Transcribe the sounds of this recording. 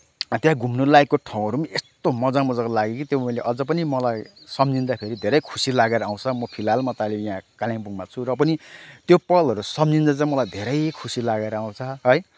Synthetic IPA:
t̪jãɡʱumnolajkːoʈʰaw̃ʌɾumiʔest̪omʌd͡zamʌd͡zakolaɡekit̪joileʔʌd͡zʌp̬ʌnimʌlajsʌmd͡zind̪apʰeɾid̪ʱeɾʌjkʰusilaɡeɾʌaw̃t͡sʰʌmʌpʰilalmʌt̪alijãkaljãŋbuŋmat͡sʰuɾʌp̬ʌnit̪jopʌlʌɾusʌmd͡zind̪at͡sãĩmʌlajd̪ʱeɾʌjkʰusilaɡeɾʌaw̃t͡sʰʌʌj

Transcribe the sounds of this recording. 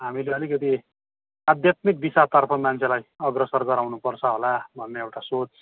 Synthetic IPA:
ɦamileʌlikʌt̪i | ad̪jat̪mik̚bisat̪ʌrpʰʌmant͡sʰelajʌɡrʌsʌrɡʌɾawnupʌrt͡sʰʌɦolabʱʌnːeewʈasot͡s

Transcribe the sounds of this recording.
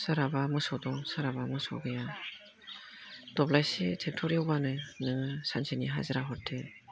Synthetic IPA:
sɯɾabamɯsɔd̪ɔŋsɯɾabamɯso̰ɡɯja | d̥ɔblasitʰektʰɔɾiobanɯnɯsansʰeniɦa̰zɯɾaɦʰɔtʰe

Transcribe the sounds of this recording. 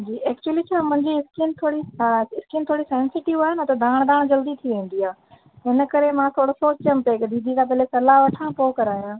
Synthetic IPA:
d͡ʑiːɛːkt͡ɕuwəlit͡ɕʰaːmʊ̃ɦɪ̃ɲd͡ʑiɪskint̪ʰoːɽiaɪskint̪ʰoːɽisẽːnsɪʈɪʋaːɦɪnɐt̪ɐd̪ʱaːɽ̃d̪aːɽ̃d͡ʑɐld̪it̪ʰiʋẽːn̆d̪iaː | ɦɪnəkɐɾemãt̪ʰoːɽosoːt͡ɕt͡ɕɐmpekd̪iːd̪ʱik̪ãp̬ɐɦlesɐlaːɦʋɐʈʰãpoːkɐɾaːijaː

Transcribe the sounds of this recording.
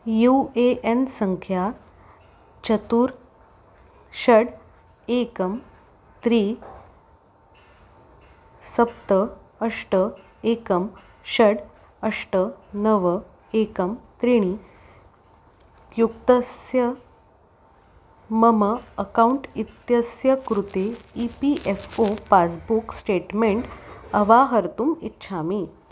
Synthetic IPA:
jueʔensəŋkʰja | t͡ɕət̪uːɾ | ɕəɽ | ekəm | t̪ɾi | səp̚t̪ə | əʂʈə | ekəm | ɕəɽ | əʂʈənəʋə | ekəmt̪ɾiɽ̃i | jukt̪əsjə | məməːkauɳʈit̪jəsjəkɾut̪eipiʔefopat͡sbuksʈeʈmẽɳʈəʋaɦəɾt̪uːmit̪ɕʰamiː

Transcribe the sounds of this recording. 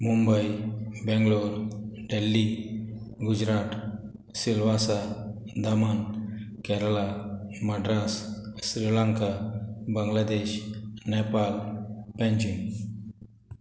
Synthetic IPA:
mumbəjbɛ̃ŋɡloɾɖelːi | ɡud͡ʑɾat̪ | silʋasa | d̪aman | kɛɾlaməɖɾassɾilaŋkabəŋɡlad̪eɕnɛpalpɛ̃ɲd͡ʑun

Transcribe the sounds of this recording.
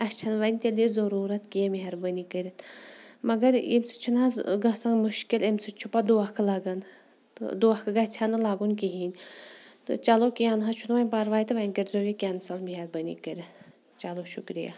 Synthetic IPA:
ɐt͡ʃʰɐnʋɐnʲt̪elizɐɾuːɾɐt̪kijɐmiɦɐɾbɐnikəɾʲɐt̪mɐɡɐɾimsɨ̥t͡ʃʰunazɡɐsɐŋmuʃkilemsɨt͡ʃʰupɐd̪uɐkʰlɐɡɐn | t̪d̪uɐkʰɨɡɐt͡ʃʲʰanɨlaːɡunkiɦinʲt̪ɨ̰t͡ʃalokijanɦɐt͡ʃʰut̪ʋanʲpɐɾʋaːjt̪ɨʋanʲkəɾʲzoːɡʲekʲaːnsɐlmiɦɐɾbɐnḭkəɾʲ | t͡ʃɐloʃukɾija̰ː

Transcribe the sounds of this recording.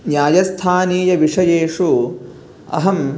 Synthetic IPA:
njaːjɐst̪ʰaːniːjɐʋiʂɐjeːʂu | ɐ̰ɦɐm

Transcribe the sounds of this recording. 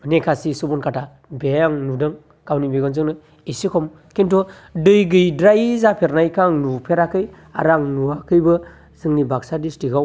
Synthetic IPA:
nekʰasisubɔnkʰatʰa | beaŋnudɯŋ | kawnibeɡɔnzɯŋnɯ | isikʰɔm | kintɔ | dɯjɡɯjdɾajzapʰeɾnajkʰaŋnupʰeɾakɯj | a̰ɾaŋnuakʰɯjbɯ | zɯŋnibak̚sadistiɡaw

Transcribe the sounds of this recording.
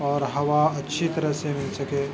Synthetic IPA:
ɔːɾɦɐʋaɐtːʃʰit̪ɐɾəɦsemɪ̃nsɐkeː

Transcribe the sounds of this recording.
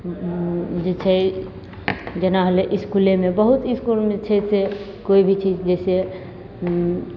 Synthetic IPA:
d͡ʒet͡ʃʰɛ | d͡ʒenaɦəleʔiskulemẽbəɦut̪iskulmet͡ʃʰɛse | koibʱit͡ʃʰid͡ʒɛse

